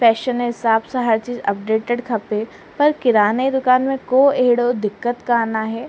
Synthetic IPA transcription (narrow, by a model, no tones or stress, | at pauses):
fɛːʃənɦɪsaːbsaɦɐɾt͡ʃiːzɐ̰p̚ɖeːʈeɖkʰɐpe | pɐɾkɪɾaːneid̪ʊkaːnmẽkoːeːɽod̪ɪkːət̪kaːnaɦɛː